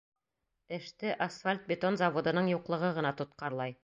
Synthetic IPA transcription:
ɘ̆ʃt̪ɘʔɐsfalʲt̪̚bʲɪt̪onzɑvod̪ɤ̆nɤɴjuqlˠɤ̆ʁɤʁɤ̆nɑt̪ŏt̪̚qɑɾlˠɑj

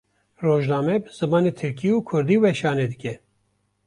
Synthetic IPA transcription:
roːʒnɑːmɛbɨz̥ɨmɑːneːt̪ʰɨɾkiuːkʰʊɾd̪iːwɛʃɑːneːd̪ɨkʲɛ

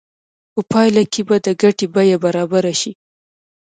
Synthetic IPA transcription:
pəpɑjlakʰebad̪əɡaʈebajabaɾɑbaɾaʃi

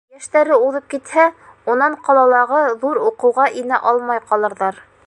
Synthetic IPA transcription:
jæʃt̪æɾɘuðɤp̚kit̪hæ | unɑɴqɑlˠɑlˠɑʁɤðuɾuqɤ̆wʁɑʔinæʔɑlˠmɑjqɑlˠɤ̆ɾðɑɾ

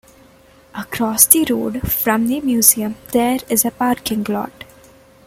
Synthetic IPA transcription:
əkɾɔːsd̪iɾoːɖfɾʌ̃md̪imjuːziə̃md̪eːɾɪzəpaːɾkɪ̃ŋɡlɔ̰ːʈ

